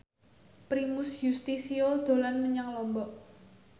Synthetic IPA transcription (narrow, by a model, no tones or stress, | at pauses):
pɾimʊsjust̪isiod̪̥o̤lanməɲaŋlɔmbɔʔ